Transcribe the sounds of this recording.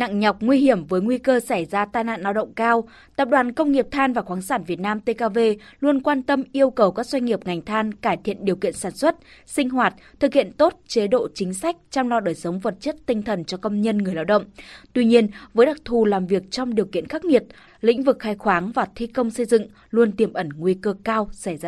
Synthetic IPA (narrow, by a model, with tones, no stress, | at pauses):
na̰˧˨ŋɲɔ˨˩wk͡p̚ŋwi˧hi˧˩əmvəː˨˦jŋwi˧kəː˧sa˧˩jzaː˧t̪aː˧jna̰ː˧˨nːʔaː˧wɗə̰˧˨wŋ͡mkaː˧w | t̪ə˨˩p̚ɗwaː˨˩nkə˧wŋ͡mŋi˨˩əp̚t̪ʰaː˧nvaː˨˩xwaː˨˦ŋsaː˧˩nvi˨˩ət̚naː˧mt̪e˧kaː˧ve˧lu˧ənkwaː˧nt̪ə˧mʔi˧əwkə˨˩wkaː˦˥k̚zwa˧ŋ̟ŋi˨˩əp̚ŋa˨˩jŋ̟t̪ʰaː˧nkaː˧˩jt̪ʰḭ˧˨ənɗi˨˩əwkḭ˧˨ənsaː˧˩nswə˦˥t̚sï˧ŋ̟ɦwaː˨˩t̚t̪ʰɨ˨˩k̚hḭ˧˨ənt̪o˦˥t̚t͡ɕe˨˦ɗo̰˧˨t͡ɕï˨˦ŋ̟sa˦˥jk̟̚t͡ɕɔ˧wŋ͡mlɔ˧ɗəː˨˩jsə˨˦wŋ͡mvə˨˩t̚t͡ɕə˦˥t̚t̪ï˧ŋ̟t̪ʰə˨˩nt͡ɕɔ˧kə˧wŋ͡mɲə˧nŋɨ˨˩əjlaː˧wɗə̰˧˨wŋ͡mt̪wi˧ɲi˧ənvəː˨˦jɗa˨˩k̚t̪ʰu˨˩laː˨˩mvi˨˩ək̚t͡ɕɔ˧wŋ͡mɗi˨˩əwkḭ˧˨ənxaː˦˥k̚ŋi˨˩ət̚ | lḭ̈˧˥ŋ̟vɨ˨˩k̚xaː˧jxwaː˨˦ŋvaː˨˩t̪ʰi˧kə˧wŋ͡msə˧jzɨ̰˧˨ŋ | lu˧ənt̪i˧˩əmʔə˧˩nŋwi˧kəː˧kaː˧wsa˧˩jzaː˧